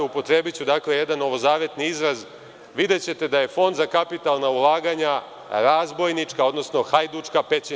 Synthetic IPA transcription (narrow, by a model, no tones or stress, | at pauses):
upo̞t̪ɾe̞ːbit͡ɕud̪akle̞jed̪anːo̞ʋo̞zaːʋe̞t̪niizɾaz | ʋid̪e̞t͡ɕe̞t̪e̞d̪aje̞fo̞nd̪zakapit̪alˠnaulˠaːɡaɲa | ɾaːzbo̞jnit͡ʂkao̞d̪no̞sno̞xajd̪ut͡ʂkape̞t͡ɕi